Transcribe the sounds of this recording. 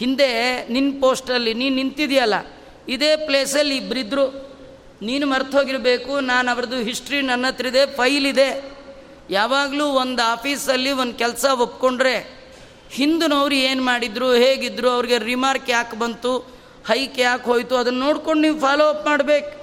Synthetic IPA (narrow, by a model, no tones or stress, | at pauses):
hind̪e̞ninːpoːsʈɐlːiniːnint̪id̪jɐlːɐ | id̪e̞ːple̞ːsɐlːiːbɾid̪ːɾu | niːnumɐɾt̪ʰɦoːɡiɾbe̞ːkunaːnɐʋɐɾɐd̪uɦisʈɾinɐnːɐt̪ɾid̪e̞pʰɐjlid̪e̞ | jaːʋaːɡluːond̪aːpʰiːsɐlːiond̪ukɛlsɐopːko̞ɳɖɾe̞ | hind̪unɐʋɾueːnmaːɽid̪ɾuɦe̞ːɡid̪ːɾuɐʋɾiɡe̞ɾimaːɾkaːkbɐnt̪u | hɐjkeaːkɦo̞ːjt̪uɐd̪ɐnːɐːo̞ːɽko̞ɳɖniːʋpʰaːloːɐpmaːɽbe̞ːku